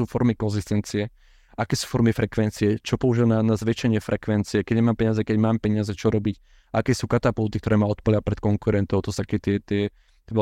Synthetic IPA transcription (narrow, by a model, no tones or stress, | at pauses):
uːfɔɾmikɔnzist̪ɛnt͡siɛ | akɛːsu̥ːfɔɾmifɾɛkʋɛnt͡siɛt͡ʃɔpɔuʒilananazʋɛt͡ʃɛɲɪɛfɾɛkʋɛnt͡siɛkɛɟɲɛmaːmpɛɲɪazɛkɛɟmaːmpɛɲɪazɛt͡ʃɔɾɔbic | aakɛːsuːkat̪apult̪ik̚t̪ɔɾɛːmaɔt̪̚pɔʎapɾɛt̪kɔŋkuɾɛnt̪ɔʊt̪ɔsakɛt̪ɪɛt̪ɪɛ | ʋɛ